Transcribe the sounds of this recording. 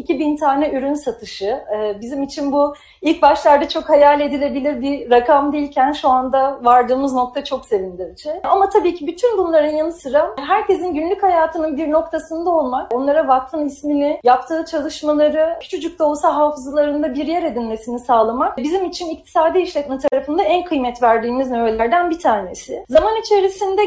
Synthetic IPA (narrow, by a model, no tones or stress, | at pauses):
icʰibint̪ʰaːnɛʔyɾynsat̪ʰɯʃɯːbizimit͡ʃʰinbu | ilʲc̚baʃlˠaɾd̪at͡ʃʰo̞khajalʲe̞d̪ilʲe̞bilʲiɾbiɾakʰamd̪ejilʲcʰænʃuand̪avaɾd̪ɯːmɯzno̞k̚t̪ʰat͡ʃʰo̞kse̞vind̪ʲid͡ʒɛamat̪ʰabiːcʰibyt̪ʰynbunlˠaɾɯnjanɯsɯɾamɦæɾce̞zinɟynlʲychajaːt̪ʰɯnɯnbiɾno̞k̚t̪ʰasɯnd̪ao̞lˠmako̞nlˠaɾavakt̪ʰɯnisminɪjapt̪ʰɯːt͡ʃʰalˠɯʃmalˠaɾɯcʰy̥t͡ʃʰyd͡ʒyk̚t̪olˠsaɦaːfɯzlˠaɾɯnd̪abiɾjæɾe̞d̪ilʲme̞sinisaːlˠamakbizimit͡ʃʰinic̚t̪ʰi̥saːd̪iiʃlʲɛt̪mɛt̪ʰaɾafɯnd̪aænkʰɯjmɛt̪væɾd̪iːmiznø̞velʲæɾd̪ænbit̪ʰaːne̞sɪzamanit͡ʃʰe̞ɾisind̪ɛ